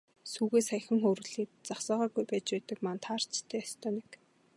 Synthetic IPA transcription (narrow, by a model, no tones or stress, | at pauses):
suːɣeːsæjxʲə̆ŋxoɾ̆ɮiːt̚t͡saχsɔːʁaːɣujpæːt͡ɕpæːt̪ə̆kmant̪ʰaːr̥t͡ɕt̪ʰːæːjast̪ʰœːnĕk